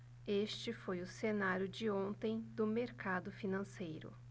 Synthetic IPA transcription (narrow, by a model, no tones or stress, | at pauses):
est͡ʃɪfojʊsenaɾjʊd͡ʒɪõnt̪ẽj̃d̪ʊmeɾkad̪ʊfinɐ̃sejɾʊ̰